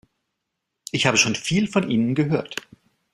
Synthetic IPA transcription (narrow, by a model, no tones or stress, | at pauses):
ʔɪçhaːbəʃoːnfiːlfɔnʔiːnənɡəɦøːɐt